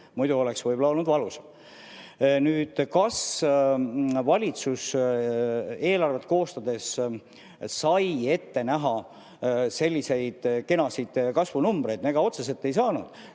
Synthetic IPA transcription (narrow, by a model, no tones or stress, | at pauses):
mujd̪̥uo̞leksvɤjbolɑo̞lnud̪vɑluse̥ | nyːd̪̥kɑs | vɑlʲit̪sus | e̞ːlɑrve̞t̪̚ːˑko̞ːst̪ɑd̪e̞sː | ɑje̞t̪ːe̞næɦɑ | se̞lʲːise̞jd̪̥ke̞nɑsid̪̥kɑsvunumb̥ɾe̞jd̪ne̞ɡ̥ɑo̞t̪ses̬e̞lt̪ːe̞js̬ɑːnud̪̥